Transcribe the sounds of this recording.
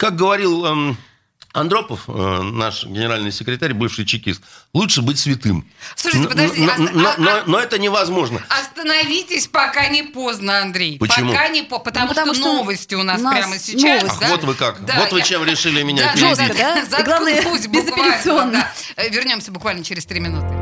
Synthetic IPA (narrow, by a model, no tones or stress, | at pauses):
kak̚ɡəvɐɾʲilˠ | ɐnd̪ɾo̞pəfna̰ʂɡʲɪnʲɪɾalʲnɨjsʲɪkɾʲɪt̪aɾʲbɨfʂɨjt͡ɕɪkʲist̪̚lˠutʂɨbɨtʲsvʲɪt̪ɨmsˠuʂɨɪpəɐʒdʲinononoɛt̪ənʲɪvɐzmo̞ʐnə̰ɐst̪ənɐvʲitʲɪsʲpɐkanʲɪpo̞znəɐnd̪ɾʲejpət͡ɕpɪkmuanʲɪppət̪ɐmuʂtuonovəsʲtʲɪʊnaspɾʲaməsʲɪt͡ɕ̪ad̪vot̪vɨkakd̪avot̪vɨt͡ɕemɾʲɪʂɨlʲɪmʲɪnʲapʲɪɾɪd̪ʲazɐɡlˠavnəpusʲbɪzɐvʲpɪɾʲlʲɨonːd̪a | vʲɪrnʲo̞msʲəbʊkvalʲnət͡ɕɪɾʲɪst̪ɾʲimʲɪnut̪ɨɪ